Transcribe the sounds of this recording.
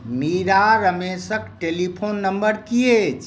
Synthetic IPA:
miɾaɾəmesəkʈelipʰoːnːəmbəɾkiet͡ʃ

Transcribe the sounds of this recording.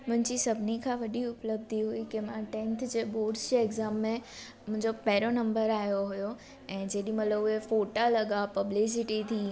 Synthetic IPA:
mʊ̃ɦɪ̃ɲd͡ʑisɐbʱnikʰãʋɐɗiʊpləb̚d̪ʱiɦuikɪmãʈɛ̃nt̪ʰd͡ʑeːɓoːɖsd͡ʑeɪɡzaːmːẽ | mʊ̃ɦɪ̃ɲd͡ʑopɐɦɪɾonɐ̃mbəɾaːijoɦʊjo | ɛ̃ːd͡ʑeːɗĩmɐt̪ləbʊɦefoːʈalɐɠapɐblɪs̬ɪʈit̪ʰi

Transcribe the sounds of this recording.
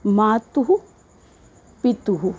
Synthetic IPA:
maːt̪uɦu | pit̪uɦu

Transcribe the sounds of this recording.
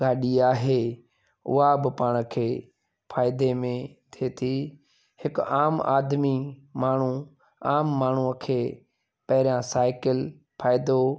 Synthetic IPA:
ɡaːɗiːaːɦeː | ʊ̰aːbɪpaːɳ̃kʰeː | pʰaːɪd̪eːmẽt̪ʰeːt̪ʰiː | hɪkaːma̰ːd̪miːmaːɳ̤uː | aːmːaːɳ̤uːəkʰeː | pəɦɾjãːsaːɪkəl | pʰaːɪd̪o

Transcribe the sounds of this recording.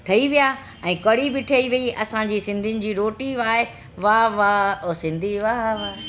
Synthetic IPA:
ʈʰɐiʋija | ɛ̃ːkɐɽibɪʈʰɐiʋiiʔɐsãd͡ʑiːsɪ̃nd̪ʱiʊnɪ̆d͡ʑiːɾoːʈiaːɦe | ʋaːʋasɪ̃nd̪ʱiʋaʋa

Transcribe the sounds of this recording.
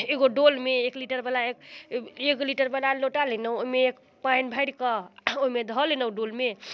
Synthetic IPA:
eɡoɖolmeːkliʈəɾbəlaekekliʈəɾbəlaloʈalenəoɦimeek | painbʱəɪɽkəoimed̪ʱɔlenəɖolme

